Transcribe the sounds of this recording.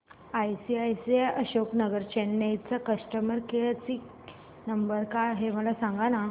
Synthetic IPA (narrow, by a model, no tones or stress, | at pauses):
ajsiajsiajʔəɕoknəɡəɾt͡ɕenːajt͡sakəʂʈəməɾkeat͡sik | nəmbəɾkaɦem̤əlasãŋɡana